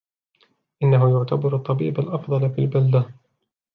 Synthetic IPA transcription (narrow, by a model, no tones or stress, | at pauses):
ʔɪnːaɦʊjʊʕt̪abɑɾɑt̪ˤːɑbiːbalʔɑfd̪ˤɑlfilbald̪a